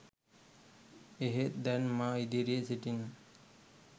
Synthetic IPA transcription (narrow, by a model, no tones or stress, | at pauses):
eɦet̪̚d̪ɛnmaid̪iɾeʔseʈin